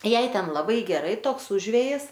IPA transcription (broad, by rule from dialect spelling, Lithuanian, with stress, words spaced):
ˈjɛɪ ˈtʲɛn lˠɐˈbɐɪ ɡʲɛˈrɐɪ ˈtoːks ˈʊʒʲʋʲeːjɪs